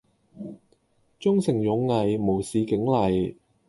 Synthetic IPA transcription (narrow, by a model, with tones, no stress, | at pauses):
t͡sʊ˥ŋsɪ˨˩ŋjʊ˨˧ŋːɐ˨jmo˨˩wsiː˨˧kɪ˨˥ŋlɐ˨j